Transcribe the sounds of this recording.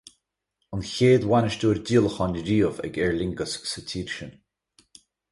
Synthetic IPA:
ənçeːd̪wanəʃd̪uːɾd̪iːlˠəxɔnəɾiːəvə̰ɡɛɹlɪŋɡəssət̪ʰiːɾʃən

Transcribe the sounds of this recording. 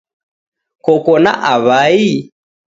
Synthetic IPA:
kɔkɔna̰ʔaβai

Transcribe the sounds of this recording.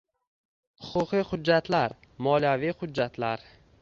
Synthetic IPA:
hʊqʰʊqiχʊd͡ʒːat̪laɾ | mɒlijavijhʊd͡ʒːat̪ʰlaɾ

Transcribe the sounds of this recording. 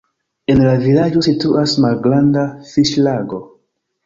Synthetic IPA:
enlavilad͡ʒo̞situʔasmalɡɾandafiʃlaɡo̞

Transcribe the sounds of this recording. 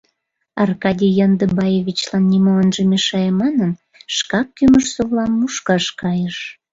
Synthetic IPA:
ɑrkɑd̪ʲijɑnd̪əbɑjeβʲit͡ɕlɑnːimoənʒəmeʃɑjemɑnən | ʃkɑkːyməʃsoβlɑmːuʃkɑʃkɑjəʃ

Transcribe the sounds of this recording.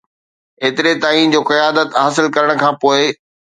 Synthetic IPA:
eːt̪ɪɾet̪aːiːnd͡ʑoːkɐjaːd̪ət̪ɦaːsɪlkɐɾəɽ̃̆kʰãːpoːɪ

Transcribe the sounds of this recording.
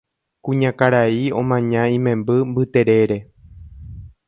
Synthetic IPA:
kũɲãkaɾaiõ̞̰mãɲãĩmẽ̞mbɨmbɨt̪e̞ɾe̞ɾe̞

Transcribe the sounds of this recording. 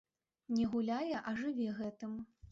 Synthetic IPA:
nʲɛɣulʲajɛʔɐʐɨvʲɛɣɛt̪ɨm

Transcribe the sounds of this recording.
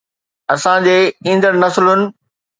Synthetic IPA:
ɐsãd͡ʑeːĩːnd̪əɽnɐslʊnɪ̆

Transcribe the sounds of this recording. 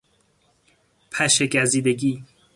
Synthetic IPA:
pʰæʃeɡæziːd̪eɡiː

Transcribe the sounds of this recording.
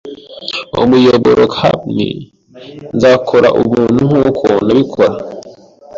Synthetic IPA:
ṵmujoβoɾʔoka̰mŋḛ | nzakʰo̞ɾa̰ʔumuːn̥huŋukʰo̞naβikʰoɾa

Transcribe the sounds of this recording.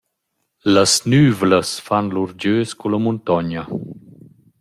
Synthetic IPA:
ləsnyːvləsfanluɾd͡ʒøːskuləmunt̪ɔɲə

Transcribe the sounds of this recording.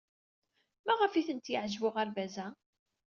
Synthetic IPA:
mæʁəfiθənt̪jəʕʒwʊʁæɾvæzæ

